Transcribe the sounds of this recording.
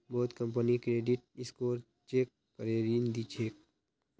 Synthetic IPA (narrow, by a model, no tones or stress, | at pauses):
bɔːt̪kə̃mp̬ənikɾeːɖɪʈ̚ɪskoːɾ | t͡ʃeːkːəɾeːɾiːnd̪it͡ʃʰeːk